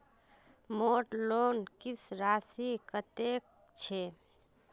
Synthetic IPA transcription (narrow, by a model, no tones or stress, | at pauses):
moʈlonkisɾasikət̪ek̚ | t͡ʃʰe